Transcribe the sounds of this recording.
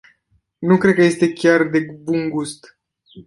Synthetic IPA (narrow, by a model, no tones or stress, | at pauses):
nukɾed̪̚kəje̞st̪e̞kʲard̪e̞bunɡust̪